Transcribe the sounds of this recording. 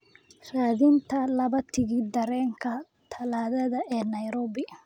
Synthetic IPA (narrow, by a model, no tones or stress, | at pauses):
raːðɪnt̪ʰɐlɐβɐt̪ʰɪɣiːd̪ɐɾɛːŋkʰɐ | t̪ʰɐlaːðɐðɐɛːnɐjɾɔːbɪ